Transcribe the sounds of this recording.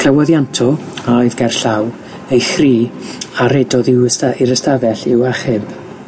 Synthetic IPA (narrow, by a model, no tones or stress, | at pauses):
kʰləwɔðjantʰɔoɨðɡɛrɬaw | ejxriːaɾɛdɔðɪwsaiɾəstavɛɬɪwaχɪb̥